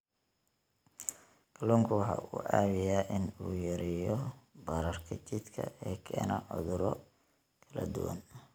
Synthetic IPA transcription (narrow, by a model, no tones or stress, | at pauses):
kʰɐlɔːŋkʰʊwɑħɑ̰ːʔuːʔaːβɪjaːʔɪnuːjɐɾɪjɔbɐɾɐrkʰɐt͡ʃɪd̪kʰɐ̰ɛːkʰɛːnɐʕʊ̰ðʊɾɔ | kʰɐlɐ̰d̪ʊ̰wɐ̰n